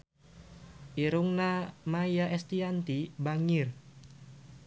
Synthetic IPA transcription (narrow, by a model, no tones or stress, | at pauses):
ʔiɾuŋnamajjaʔɛst̪iant̪ibaŋɪr